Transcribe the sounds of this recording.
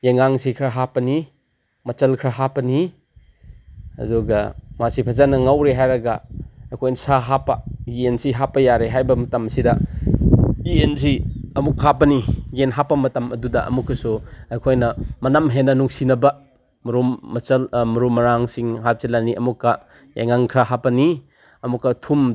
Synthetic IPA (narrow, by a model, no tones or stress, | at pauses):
jeŋaŋsikʰɾɐɦapɐni | mɐt͡ʃɐlkʰɾɐɦapɐni | ɐ̰duɡɐmasipʰɐzanɐŋawɾeɦajɾɐɡɐɐjkʰojnɐsaɦapɐiensiɦapːɐjaɾeɦajbɐmɐtɐmɐsidɐ | iens̬iɐmukhapɐniɡenɦapːɐmɐtɐmɐ̰dudɐʔɐ̰mukːɐsuɐjkʰojnɐmɐnamɦenɐnuŋsinɐbɐ | mɐɾumːɐsɐlmɐɾumɐɾaŋsiŋɦap̚silaniɐmukːɐ | ja̰jŋaŋkʰɾaɦapɐni | ɐmukːɐtʰum